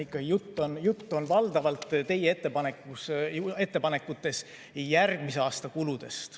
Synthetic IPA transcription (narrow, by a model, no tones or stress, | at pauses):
ikːɑɡijut̪ːonjut̪ːo̞nvɑld̪̥ɑvɑlt̪ːˑt̪e̞jee̞t̪ːe̞pɑnekːuse̞t̪ːe̞pɑne̞kːˑut̪ːˑe̞s | jærɡ̥mis̬e̞ɑːst̪ɑkulud̪̥e̞st̪